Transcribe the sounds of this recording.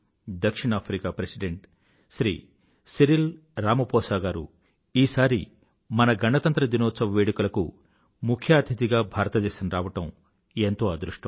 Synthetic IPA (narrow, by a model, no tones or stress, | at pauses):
d̪ɐkʂiɳaːpʰɾikaːpɾesiɖeɳʈ | sɾiː | siɾil | ɾaːmɐpɔːsaːɡaːɾṵ | iːsaːɾḭ | mɐnɐɡɐɳɐt̪ɐnt̪ɾɐd̪inɔːt̪sɐʋɐʋeːɽukulɐkṵ | mukʰjaːt̪ʰit̪iɡaːbʱaːɾɐt̪ɐt͡ʃeːsɐnɐɾaːʋɐʈɐm | ent̪oːad̪ɾuʂʈɐm